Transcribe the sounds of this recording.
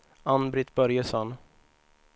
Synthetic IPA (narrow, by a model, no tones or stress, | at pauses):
anbɾɪt̪bœɾjəsɔn